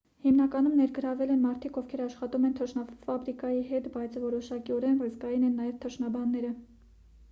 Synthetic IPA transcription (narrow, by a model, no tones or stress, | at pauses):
himnɑkɑnumnɛɾɡəɾɑvɛlɛnmɑɾt̪ʰikɔvkʰɛɾɑʃχɑt̪umɛnt̪ʰəʃnɑfɑbɾikɑjiɦɛt̪bɑjt͡sʰvɔɾɔʃɑkiɔɾɛnvəzɡɑjinɛnːɑjɛvt̪ʰəʃnɑbɑnːɛɾə